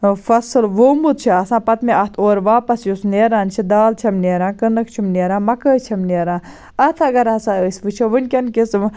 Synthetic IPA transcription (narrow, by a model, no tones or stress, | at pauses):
fɐsɨlʋoːmut̪̚t͡ʃʰiɐsãːpɐt̪meʔɐt̪ʰoːɾʋaːpɐsjusneːɾaːnt͡ʃʰid̪aːlt͡ʃʰɐmneːɾãːnkɨnɐkt͡ʃʰimneːɾãːmɐkəːt͡ʃʰɐmneːɾãːn | ɐt̪ʰɐɡɐɾɐsaːəsʲʋɨt͡ʃʰiʋɨnʲkʲɐnkis